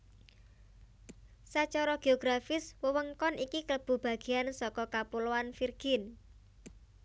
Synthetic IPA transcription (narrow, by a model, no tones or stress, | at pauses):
sat͡ʃɔɾɔɡ̥eoɡ̥ɾafɪswəwəŋkɔnʔikikələb̥ṳb̥a̤ɡ̥e̤ansɔkɔkapuloanfirɡ̥ɪn